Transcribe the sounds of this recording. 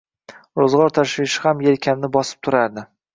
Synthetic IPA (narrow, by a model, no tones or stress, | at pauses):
ɾozʁɒɾt̪ʰaʃvɪʃɪhamjelkʲʰamnɪbɒsɪ̥p̚t̪ʰʊɾaɾd̪ɪ